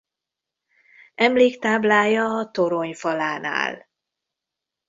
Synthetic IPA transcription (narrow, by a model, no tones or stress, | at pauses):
ɛmleːkt̪aːblaːjɒːt̪oɾoɲfɒlaːna̰ːl